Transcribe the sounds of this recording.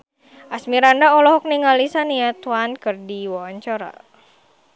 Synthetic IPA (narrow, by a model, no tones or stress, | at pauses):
ʔasmiɾandaɔlɔɦɔk̚niŋalisaniat̪uwankɨrdiwɔɔɲt͡ʃɔɾa̰